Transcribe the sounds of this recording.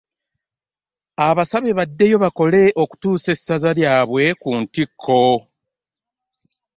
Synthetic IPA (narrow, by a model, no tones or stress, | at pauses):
aβasaβe̞βadːe̞jo̞βako̞le̞ʔo̞ku̥tuːse̞sːazaljaːβwe̞kuntikʰːo̞